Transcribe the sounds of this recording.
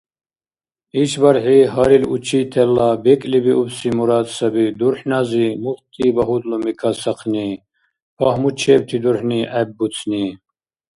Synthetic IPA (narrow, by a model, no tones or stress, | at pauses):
iʃbɐɾħiɦaɾilut͡ʃʰit̪ʰɛlːabɛkʼlibiʔubsimuɾaːd̪sɐbid̪uɾħnazimuχt̪ʰibɐɦud̪lumikʰasɐqʰni | pʰahmut͡ʃʰɛːbt̪ʰid̪uɾħniʔɛbːut͡sʰni